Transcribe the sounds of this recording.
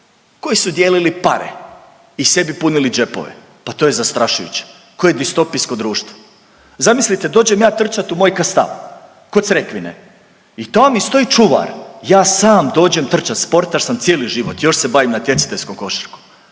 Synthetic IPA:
ko̞jisud̪jeːlilipa̰ɾḛ | ise̞bipunilid͡ʒe̞po̰ʋḛ | pat̪ojezast̪ɾaʃujṵt͡ɕe̥ | ko̞jed̪ist̪o̞pijsko̞d̪ɾuːʃt̪ʋo | zamislit̪e̞d̪oːd͡ʑemjaːt̪r̩t͡ʃat̪umo̞ːjkast̪a̰ʋ | kot̪sɾekʋinḛ | it̪oamist̪o̞it͡ʃuʋa̰ɾjaːsaːmd̪o̞ːd͡ʑemt̪r̩t͡ʃat̪spo̞ɾt̪aʃsamt̪sjeːliʒiʋot̪jo̞ʃse̞baʋimnat̪je̞t̪si̥t̪eʎʲskomko̞ʃi̥ɾko̥

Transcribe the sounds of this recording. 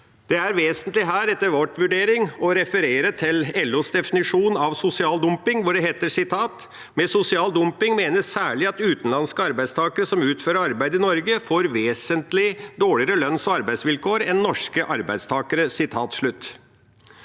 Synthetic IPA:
d̪̥ɛæɾʋeːsənt̪lɪɦæːɾɛt̪ːəɾʋɔʈʋʉɖeːɾɪŋɔɾɛfəɾeːɾət̪ʰɪlɛlːusd̪ɛfɪnɪʂuːnɑʋsʊsɪɑːld̪ʊmpɪŋʋʊɖɛɦeːt̪ːəsɪt̪ʰɑːt̪ | mɛsʊsɪɑːld̪ʊmpɪŋmeːnəsæːɭɪɑt̪ʉːt̪n̩lɑnskəɑɾbæɪst̪ʰɑːkəɾəsɔmʉːt̪føːɾəɾɑɾbæɪd̪ɪnɔɾɡəfoːɾʋeːsənt̪lɪd̪oːɭɪəɾəlœnsɔɑɾbæɪsʋɪlkʰoːɾɛnːɔʂkəʔɑɾbæɪd̪st̪ʰɑːkəɾəsɪt̪ʰɑːt̪ʂɭʉt̪ː

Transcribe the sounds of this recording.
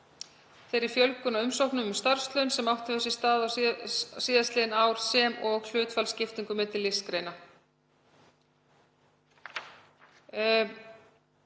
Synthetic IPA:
θejɾɪɾ̥fjœlkʏnaʏmsowhknʏmʏmst̪aɾ̥st̪lœɥnsɛmawht̪avʏsist̪aːða | siːðast̪lɪɪnaːwɾ̥sɛmɔɣl̥ʏːt̪falscɪft̪iŋkʏmɛːt̪ɪlːɪskɾejna

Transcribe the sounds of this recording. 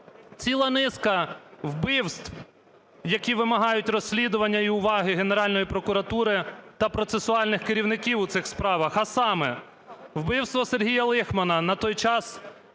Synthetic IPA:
t͡sʲilˠɐnɪskɐwbɪwst̪w | jɐkʲiʋɪmɐɦɑjʊtʲrɔsʲlʲid̪ʊʋɐnʲːɐiʊʋɑɦɪɦeneɾɑlʲnɔjipɾɔkʊɾɐt̪uɾɪt̪ɐpɾɔt̪sesʊɑlʲnɪxkeɾʲiwnɪkʲiwʊt̪sɪxspɾɑʋɐxɐsɑmɛ | wbɪwst̪ʋɔserɦʲijɐlˠɪxmɐnɐnɐt̪ɔjt͡ʃɑs

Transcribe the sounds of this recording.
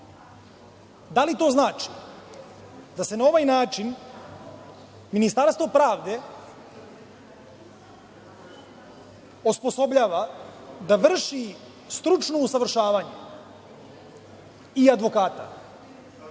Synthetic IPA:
d̪alit̪o̞ːznaːt͡ʃi | d̪ase̞nao̞ʋajnaːt͡ʃin | minist̪aɾst̪ʋo̞pɾaːʋd̪e̞ | ospo̞so̞bʎaːʋad̪aʋr̩ʃi | st̪ɾut͡ʃnousaʋr̩ʃaːʋaɲu | iad̪ʋo̞kaːt̪a̰

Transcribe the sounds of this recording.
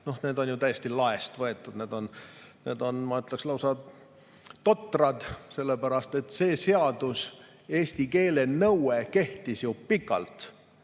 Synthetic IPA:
no̞hne̞ːd̪o̞njut̪æjest̪ilɑest̪vɤe̞t̪ːˑud̪̥ne̞ːd̪̥o̞nne̞ːd̪o̞nmɑyt̪ːˑlekslɑwsɑ | t̪o̞t̪ːˑrɑd̪̥se̞lːepæɾɑst̪e̞t̪ːˑse̞ːse̞ɑd̪̥us | e̞ːst̪ike̞ːle̞nɤweke̞ht̪isjupikːˑɑ̰lt̪

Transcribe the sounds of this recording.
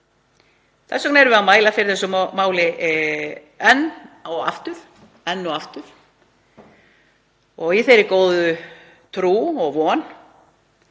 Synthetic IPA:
θɛsɔknɛɾvɪamaːjlafɪɾɪɾ̥θɛsʏmaːwlɪ | ɛnːawa̰ft̪ʏɾ | ɛnːɔaft̪ʏɾ̥ | ɔɣiθejɾɪkoːwðʏ | t̪ʰɾuːɔɣvɔːn

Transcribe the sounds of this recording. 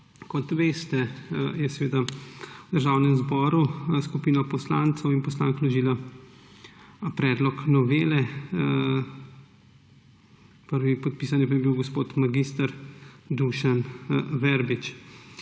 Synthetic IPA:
kɔt̪ʋeːst̪ɛjɛsɛʋeːd̪ad̪əɾʒawnɛmzbɔːɾuskupiːnapɔslaːnt̪səwinpɔsla̰ːŋklɔʒiːla | pɾɛːd̪lɔknɔʋeːlɛ | pəɾʋipɔt̪̚piːs̬anjɛpajɛbiwɡɔspoːt̪maɡist̪əɾd̪uʃanʋɛɾbit͡ʃ

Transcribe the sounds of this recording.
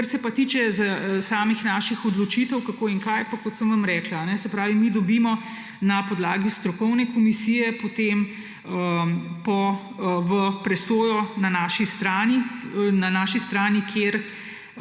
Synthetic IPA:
əɾsɛpat̪it͡ʃɛzasaːmixnaːʃixɔd̪lɔt͡ʃiːt̪əwkakoːiŋkajpakɔt̪səmʋamɾɛːklaːnɛsɛpɾaːʋimid̪ɔbimɔ | napɔd̪laːɡist̪ɾɔkɔwnɛkomisiːjɛpot̪em | əpɔ | ʋəpɾɛsoːjɔnanaːʃist̪ɾaːninanaːʃist̪ɾaːnikʰeːɾ

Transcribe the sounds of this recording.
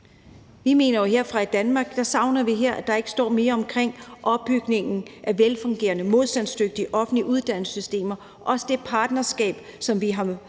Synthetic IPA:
ʋime̝̰ːnɐjo̝ɦe̝ɐ̰fʁɑ̈id̥ænmɑ̈ːɡ̥̚d̥ɑ̈sɑ̈ʊnɐʋiɦeɐ̰ʔæ̥ɑ̈e̝ɡ̥əsd̥ɒ̰ːme̝ːɐɒ̽mkʰʁeŋ̰ʔɒ̽b̥̚ːyɡ̥ne̝ŋn̩ʔæʋelfɔ̽ŋɡ̥e̝̰ːɐnəmo̝ð̞ˠsd̥ænsd̥øɡ̥̚d̥iʔɒ̽fn̩liʔuðˠd̥æn̰sysd̥e̝̰ːmɐ | ʔɒ̽səd̥e̝pʰɑ̈ːd̥nɐsɡ̥ɛ̰ːb̥sɒ̽mʋiɦɑ̈

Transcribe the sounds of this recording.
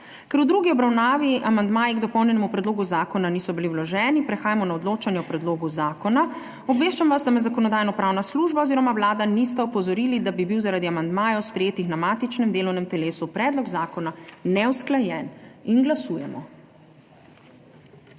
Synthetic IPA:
kɛɾwd̪ɾuɡiɔbɾawnaːʋiamand̪maːjiɡd̪ɔpɔwnjɛnɛmupɾɛd̪loːɡuzaːkɔnaniːsɔbiliwlɔʒɛːnipɾɛxaːjamɔnaɔd̪loːt͡ʃanjɛɔpɾɛd̪loːɡuzaːkɔna | ɔbʋeːʃt͡ʃamʋazd̪amɛzakɔnɔd̪aːjnɔpɾaːwnasluːʒbaoziːɾɔmawlaːd̪anist̪ɛɔpɔzɔɾilid̪abibiwzaɾaːd̪iamand̪maːjɛwspɾɛjeːt̪ixnamaːt̪it͡ʃnɛmd̪eːlɔwnɛmt̪ɛleːsupɾɛːd̪lɔɡzaːkɔnanɛwsklajɛninɡlasuːjɛmɔ̰

